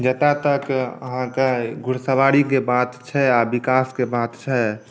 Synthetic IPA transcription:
d͡ʒət̪at̪əkə̰ɦãkeɡʱuɽsəʋaɽikebat̪t͡ʃʰɛabikaskebat̪t͡ʃʰɛ

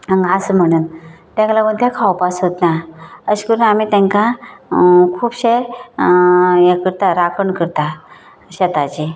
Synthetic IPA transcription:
əŋɡasm̤əɽ̃uːnt̪ɛ̃klamə̃t̪ẽkʰawpasɦot̪naəɕkəɾunamit̪ɛ̃ŋka | kʰuːbɕe | jekəɾt̪aɾakʰəɳkəɾt̪a | ɕet̪at͡ɕi

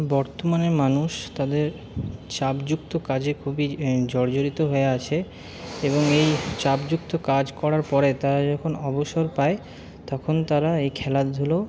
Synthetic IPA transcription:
bɔɾt̪omaneɾmanuʃt̪ad̪eɾ | t͡ɕapd͡ʑukt̪okad͡ʑekʰubid͡ʑɔɾd͡ʑoɾit̪oɦoeat͡ɕʰe | eboŋejt͡ɕapd͡ʑuk̚t̪okad͡ʑkɔɾaɾpɔɾet̪aɾad͡ʑɔkʰonɔboʃoɾpae | t̪ɔkʰont̪aɾaejkʰɛlad̪d̪ʱulo

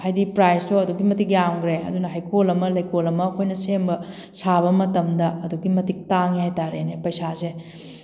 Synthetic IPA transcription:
hajdipɾajstoɐduɡimɐtik̚jawŋɡɾeɐ̰dunɐɦajkolɐmɐlɐjkolɐmɐkʰojnɐsembɐ | saβɐmɐtɐmdɐɐduɡimɐtik̚taŋjajtaɾenepɐjsase

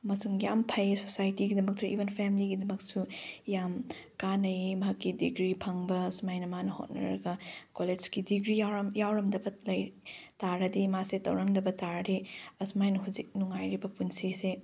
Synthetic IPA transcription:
mɐsuŋjampʰɐjesosajtiɡidɐmɐk̚suḭbʱenpʰemiliɡidɐmɐk̚sujam | kanɐjimɐɦɐkːidḭɡɾipʰɐŋbɐːsmajnɐmanɐho̰t̚nɐ̰ɾɐɡɐkoled͡ʒkidiɡɾijamjawɾɐmdɐbɐlɐjtaɾɐdimasetɐ̰wɾɐmdɐbɐtaɾɐɾiɐsmajnɐɦuzik̚nuŋajɾibɐpunsise

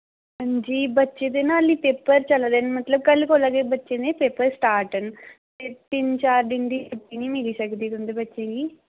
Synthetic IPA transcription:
ɐɲd͡ʒibɐt͡ʃːed̪enaːlːipepːɐɾt͡ʃɐlɐd̪ɐnimɐt̪lɐb̚kɐlːikɔlaːɡebɐt͡ʃːind̪epeːpɐɾsʈaːɾʈɐn | etːint͡ʃaːɾɖiɳɖiuʈːinimiɡisɐɡd̪iːt̪und̪ibɐt͡ʃːinɡi

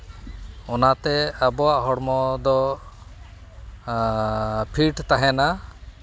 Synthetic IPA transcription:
ɔnat̪ɛabɔaʔɦɔɽmɔd̪ɔ | pʰiʈt̪aɦɛna

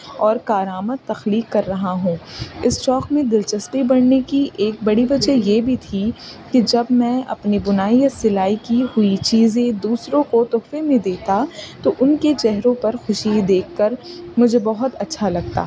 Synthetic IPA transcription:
ɔːɾkaːɾaːməd̪̚t̪ːɐxliːkːɐɾːɐɦaɦũːɪst͡ʃɔːkmẽd̪ɪlt͡ʃɐspibɐɽnekiʔeːk̚bɐɽiʋɐd͡ʒəjebʱit̪ʰiked͡ʒɐbmɛ̃ɐ̰pnebʊnaːijɐsɪlaːikihʊit͡ʃiːzẽd̪uːsɾõkot̪ʊːfemẽd̪eːt̪at̪oʔʊnket͡ʃɛɦɾõpɐɾxʊʃid̪eːkʰːɐɾmʊd͡ʒʱebɐɦʊt̪ɐtːʃʰalɐɡ̚t̪a̰ː

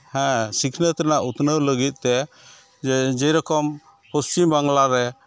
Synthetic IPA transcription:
hɛ̃sikʰnət̪ɛnaʔut̪nəwləɡit̪̚ˀt̪ɛ | d͡ʒɛjɾɔkɔm | pust͡ʃimbaŋlaɾɛ

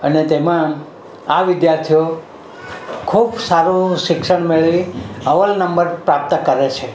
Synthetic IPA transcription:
ənet̪emã | aʋɪd̪jaɾt̪ʰijo | kʰubsaɾũʃɪkʃəɽ̃meɭiəʋəlnəmbəɾpɾap̚t̪kəɾet͡ʃʰe

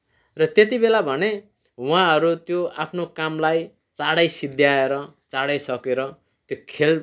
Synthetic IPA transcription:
rʌt̪et̪ibelabʱʌne | wãɦʌɾut̪joapʰnokamlaj | t͡saɽʌjsid̪ʱjaeɾʌt͡saɽʌjsʌkeɾʌ | t̪jokʰel

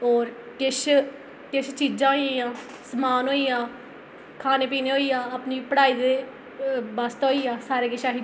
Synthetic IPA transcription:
ɔːɾ | ʈɪʃ | ʈɪʃt͡ʃiːd͡ʒãːãː | səmaːnɦoːijãː | kʰaːneːpiːneːɦoːiːjãːaːpniːpəɽaːiːd̪eː | bəst̪ːɦoːiːjãːsaːɾeːkɪʃaːɦi

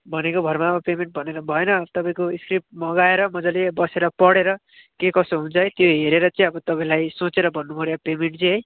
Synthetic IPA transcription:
bʱʌnekobʱʌrmaʌbʌpemeɳʈ̚bʱʌneɾʌbʱʌenʌt̪ʌpaĩkoiskripmʌɡaeɾʌmʌd͡zʌlebʌseɾʌpʌɽeɾʌ | kekʌsoɦunt͡sʰʌet̪joɦeɾeɾʌt͡sʌj̃ʌbʌt̪ʌpaĩlajsot͡seɾʌbʱʌnːumuɾjepemeɳʈ̚t͡siɦʌj

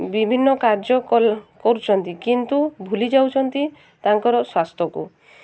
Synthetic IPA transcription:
bibʱinːɔkaɾd͡ʒɔkɔlkɔɾut͡ʃʰɔnt̪ikint̪ubʱulid͡ʒawt͡ʃʰɔnt̪i | t̪aŋkɔɾɔswast̪ʰɔkṵ

